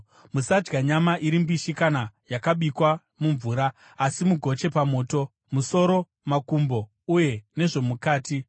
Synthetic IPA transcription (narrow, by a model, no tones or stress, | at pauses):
musad͡ʒɡaɲamaʔiɾimbiʃikanajakaɓikwa | muɱvuːɾaː | simuɡʱo̞t͡ʃe̞pamo̞ːto̞ | muso̞ɾo̞ | makumbo̞ | uje̞ne̞ʐo̞mukaːti